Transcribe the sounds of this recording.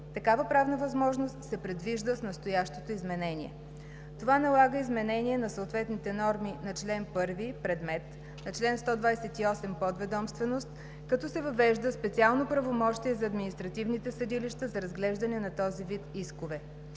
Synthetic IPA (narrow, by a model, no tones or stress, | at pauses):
t̪ɐkavəpɾavnəvɐzmɔʒnost̪sɛpɾɛd̪viʒd̪əsnɐst̪ojaʃt̪ot̪oizmɛnɛniɛ̰ | t̪ovanɐlˠaɡəizmɛnɛniɛnɐsoːt̪vɛt̪nit̪ɛnɔɾminɐt͡ʃlɛnpɤɾvipɾɛd̪mɛt̪ | nɐt͡ʃlɛnst̪ɔd̪vajsɛt̪iɔsɛmpɔd̪vɛd̪ɔmst̪vɛnost̪ | kɐt̪ɔsɛvɐvɛʒd̪əspɛt̪sialˠnopɾɐvomɔʃt̪iɛzɐːd̪minist̪ɾɐt̪ivnit̪ɛsɐd̪iliʃt̪əzɐɾɐzɡlɛʒd̪ɐnɛnɐt̪ɔzivit̪iskovɛ